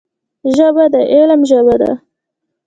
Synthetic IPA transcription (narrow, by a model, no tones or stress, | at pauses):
ʒəbad̪əʔelmʒəβad̪a̰